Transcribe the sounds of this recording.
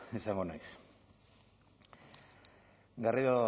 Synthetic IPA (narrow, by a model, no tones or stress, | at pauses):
esaŋɡonajs | ɡariðo